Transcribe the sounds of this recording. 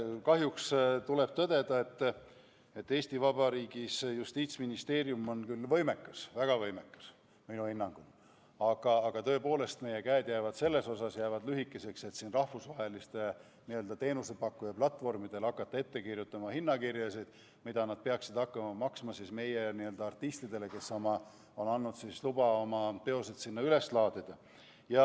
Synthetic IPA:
kɑɦjukst̪ule̞b̥̚t̪ɤd̪̥e̞d̪̥ɑe̞t̪ː | e̞t̪ːe̞ːsʲt̪ivɑb̥ɑɾiːɡ̥isjust̪iːt̪sminist̪e̞ːɾjumo̞nkylːvɤ̞jme̞kːɑsvæɡ̥ɑvɤ̞jme̞kːɑ̥s | minuhinːɑŋɡ̥ul | ɑɡ̥ɑːɡ̥ɑt̪ɤ̞epo̞ːle̞st̪me̞je̞kæed̪̥jæːvɑd̪̥se̞lːe̞so̞sɑsjæːvɑd̪lyɦikːˑese̞kse̞t̪siːnrɑhfusvɑɦe̞list̪e | niø̞ld̪ɑt̪e̞ːnuse̞pɑkːujɑplɑt̪ːˑvo̞rmid̪̥elɑkːˑɑt̪ːˑɑe̞t̪ːe̞kirjut̪ːˑɑmɑhinːɑkirjɑsid̪̥ | mid̪̥ɑnɑd̪̥̚peɑksid̪̥ɑkːɑmɑmɑksmɑsisme̞jeniøld̪ɑɑrt̪ːist̪id̪e̞le̞ke̞sːomɑ | o̞nɑnːud̪̥sislubɑo̞mɑt̪e̞o̞sed̪̥sinːɑyle̞slɑːd̪id̪̥ɑ | jɑ

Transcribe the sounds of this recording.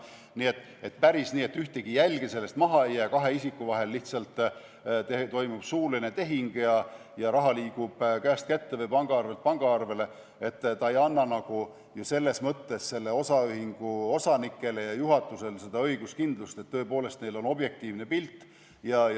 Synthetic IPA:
niːe̞t̪ːˑ | e̞t̪pæɾisniːe̞t̪ːyht̪eɡ̥ijælʲɡ̥ese̞lːe̞st̪mɑɦɑejæːkɑɦe̞isikːˑuvɑɦe̞lːiht̪sɑlt̪ːˑ | t̪et̪o̞jmub̥suːline̞t̪e̞ɦiŋɡ̥jɑ | jɑɾɑɦɑliːɡ̥ub̥kæːst̪kæt̪ːevejpɑŋɡ̥ɑɑrve̞lt̪̚pɑŋɡ̥ɑɑrve̞le̞ | e̞t̪ːt̪ɑejɑnːɑnɑɡ̥u | juse̞lːe̞smɤt̪ːe̞sse̞lːe̞o̞sɑyhiŋɡ̥uo̞sɑnikːˑe̞le̞jɑjuɦɑt̪ːˑuse̞lse̞d̪̥ɑɤjɡ̥uskind̪lust̪et̪ːɤ̞epo̞ːle̞st̪̚ne̞jlo̞no̞bje̞k̚t̪iːvne̞pilt̪ːˑ | jɑj

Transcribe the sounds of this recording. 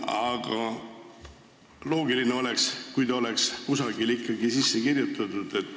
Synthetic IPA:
ɑɡ̥ɑ | lo̞ːɡilineo̞le̞kskujt̪ɑo̞le̞kskusɑɡilikːɑɡisisːe̞kirjut̪ːˑɑt̪ud̪̥e̞t̪ːˑ

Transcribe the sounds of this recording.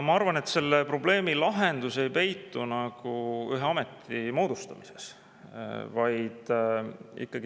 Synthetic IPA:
mɑɑrvɑne̞t̪se̞lːepro̞ble̞ːmilɑɦe̞nd̪̥use̞jpe̞jt̪ːunɑɡ̥uyɦeɑme̞t̪ʰːimo̞ːd̪̥ust̪ɑmise̞̥s | vɑjd̪̥ | ḭkˑːɑɡ̥i

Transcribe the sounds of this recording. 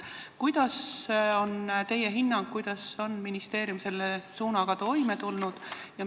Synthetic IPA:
kujd̪̥ɑso̞nt̪e̞je̞ɦinːɑŋɡ̥kujd̪̥ɑso̞nminist̪e̞ːɾjumse̞lːesuːnɑɡ̥ɑt̪o̞jme̞t̪ulnud̪̥jɑ

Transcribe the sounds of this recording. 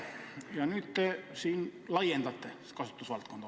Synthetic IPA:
jɑnyt̪t̪esiːnlɑijent̪ɑt̪ːe | kɑsʋe̥t̪ːusʋɑlt̪kont̪ɑ

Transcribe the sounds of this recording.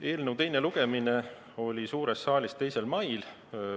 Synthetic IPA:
e̞ːlnəwt̪e̞jne̞luɡ̥e̞mine | o̞lʲisuːɾesːɑːlʲist̪e̞jse̞lmɑjl

